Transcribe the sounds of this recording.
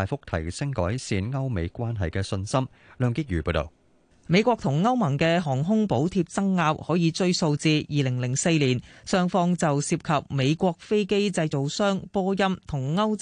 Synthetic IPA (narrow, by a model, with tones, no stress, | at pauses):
a˨jfʊ˥k̚t̪ʰɐ̰˨˩jsɪ˥ŋkɔ̰ː˨˥jsiː˧nŋɐ˥wmḛ˨˧jkʷaː˥nɦɐ˨jkɛː˧sɵ˧nsɐ˥m | lœː˨˧ŋkɪ˥jyː˨˩po˨˧t̪o̰˨w | me˨˧jkʷɔː˧k̚t̪ʰʊ˨˩ŋːɐ˥wmɐ˨˩ŋkɛː˧ɦɔː˨˩ŋɦʊ˥ŋpo˨˥wt̪ʰiː˧p̚t͡sɐ˥ŋːaː˧whɔː˨˥jiː˨˧t͡ʃɵ˧ɥso˧wt͡siː˧jʔiː˨lɪ˨˩ŋlɪ˨˩ŋse˧jliː˨˩nsœː˥˧ŋfɔː˧ŋt͡sɐ˨wsiː˧p̚kʰɐ˨p̚me˨˧jkʷɔː˧k̚fe˥jke˥jt͡sɐ˧jt̪o˨wsœː˥ŋpɔː˥jɐ˥mt̪ʰʊ˨˩ŋːɐ˥w